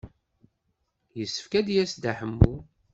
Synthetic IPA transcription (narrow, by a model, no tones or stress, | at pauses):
jəsːə̥fkæd̪jæsd̪aħəmːu